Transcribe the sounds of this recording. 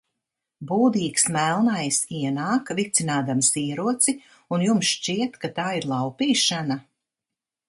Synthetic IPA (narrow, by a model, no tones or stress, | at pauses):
buːd̪iːksmælˠnajsiɛnaːkvit̪sinaːd̪amsiːɾuɔt̪si | unjumsʃt͡ʃiɛt̪kat̪aːiɾlˠɑwpiːʃana